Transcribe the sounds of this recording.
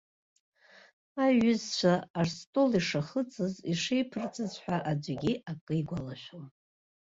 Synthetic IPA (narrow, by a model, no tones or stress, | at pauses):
aɥʏzt͡ʃʷʰaːrstʼo̞liʂaχət͡sʼɨziʂejpʰɨrt͡sʼɨzħʷᶣaʔad͡ʒʷɡʲiakʼɨiɡʷalaʃʷᶣon